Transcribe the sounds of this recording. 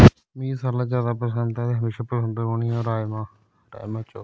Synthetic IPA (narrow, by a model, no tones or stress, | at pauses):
miːsaɾlaːd͡ʒaːd̪aːpəsɛːmt̪aːt̪eːɦəmeːʃaːpɾəsəɳɖəɦoːnioːɾaːmãː | ɾa̰ːjmaːt͡ʃoː